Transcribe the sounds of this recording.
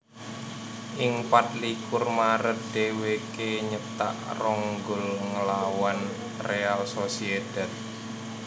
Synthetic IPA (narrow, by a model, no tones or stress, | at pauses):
ʔiŋpat̪̚likʊrmaɾət̪̚d̪̥ewekeɲət̪a̰ʔrɔŋɡʊlŋəlawan | realsosied̪̥ɛt̪̚